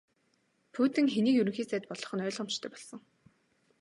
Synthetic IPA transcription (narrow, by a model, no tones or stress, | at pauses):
pʰuːt̪ɘ̆ŋxeniːkjɵɾɵ̆ŋxiːt͡sæːt̪̚pɔɮɞ̆χɞ̆nœːɮʁɔ̆m̥t͡ɕt̪ʰœːpɔɮsɞ̆ŋ